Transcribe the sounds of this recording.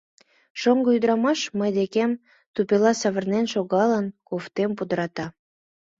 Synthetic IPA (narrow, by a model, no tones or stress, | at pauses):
ʃoŋɡəyd̪əɾɑmɑʃməjd̪ekem | t̪upelɑsɑβərnenʃoɣɑlənkoft̪empud̪əɾɑt̪ɑ